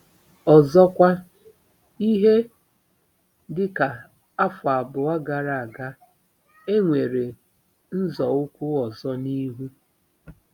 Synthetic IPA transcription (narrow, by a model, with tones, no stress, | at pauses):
ɔ˨zɔ˦kʷa˦ | i˦ɦe˦ | dɪ˦ka˨ | a˦fʊ˨a˨bʊ˨a˦ɡa˨ɾa˨a˨ɡa˦ | e˦ŋʷe˨ɾe˨ | n̩˦zɔ˨ʊ˦kʷu˦ɔ˨zɔ˦ni˦ɦu˦